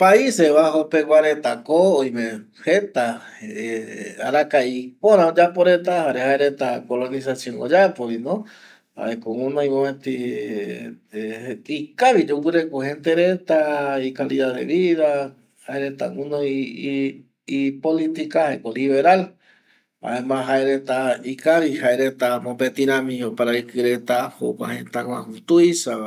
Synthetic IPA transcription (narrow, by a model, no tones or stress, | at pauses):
paiseβaɦopewʷaɾet̪akoːjmẽ | het̪a | eaɾakaipõɾãod͡ʒapoɾet̪̬ahaɾehaeɾet̪akolonisasjõŋo̰d͡ʒapoɾinõ | ha̰ekoũnõĩmõet̪i | ikaβid͡ʒukuɾekuhẽnt̪eɾet̪aikaliðaðḛβiða | haeɾet̪aũno | ipolit̪ikahaekoliβe̞ɾal | a̰emãɦaeɾet̪aikaβihaeɾet̪amõpet̪iɾãmĩopaɾaikɨɾe̞t̪ahokʷã̰hẽnt̪akwahut̪uisa